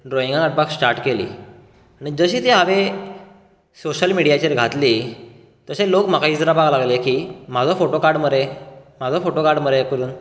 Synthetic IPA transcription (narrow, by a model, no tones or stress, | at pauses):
ɖɾojĩŋɡãɡaʈ̚paksʈaɾʈkelḭː | aɽ̃id͡zəɕiːt̪eɦaʋe | soɕəlmiɽijat͡ɕeɾɡʱat̪liː | t̪əɕẽlokm̤akaid͡zɾabaɡlaɡlekim̤ad͡zʱɔfoʈokaɾɽməɾem̤ad͡zʱɔfoʈokaɾɽməɾekəɾuːn